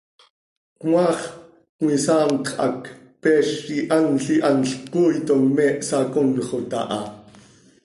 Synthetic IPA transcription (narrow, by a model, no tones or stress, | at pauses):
kmɑːχ | kŋisɑːmqʰʔɑ̰k | pɛːʃːiʔanɬiʔɑnɬkuːjt̪oŋmɛːʔsɑkonχot̪ɑ̰ʔɑ